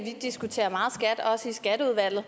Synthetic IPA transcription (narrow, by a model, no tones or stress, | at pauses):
ʋid̥isɡ̥ut͡sʰe̝̰ːɐmɑ̈ːð̩ˠsɡ̥æd̥ɒ̽səisɡ̥æd̥əuð̞ˠʋæl̰ð̩ˠ